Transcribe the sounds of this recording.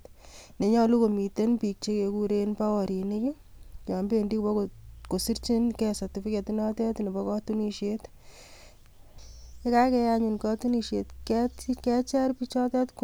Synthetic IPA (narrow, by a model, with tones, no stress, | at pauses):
tne˨ɲɔ˦lu˦ko˨mi˨te˦npi˨k̚t͡ʃe˦ke˨ku˦ɾe˦npa˦wɔ˨ɾi˨ni˦ki˦ | jɔ˨mbe˦ndi˦kbɔ˦kko˨si˦ɾt͡ʃi˦nkɛ˦sa˨ti˨pi˦ke˨tu˦nɔ˦tɛ˦tni˨bɔ˦kɔ˦tu˦ni˧ʃet | e˦ka˦kɛ˧jaɲu˨nkɔ˦tu˦ni˨ʃe˨tkɛtkɛ˦t͡ʃɛ˦ɾpi˦t͡ʃɔ˦tɛ˦tk